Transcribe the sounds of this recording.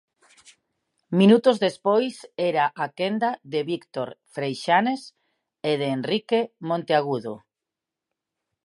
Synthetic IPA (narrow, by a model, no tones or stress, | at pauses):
mĩnut̪ozðespojseɾaʔakend̪aðeβikt̪oɾfɾejʃanes | eð̞eːnrikemõnt̪eaɣ̞uðo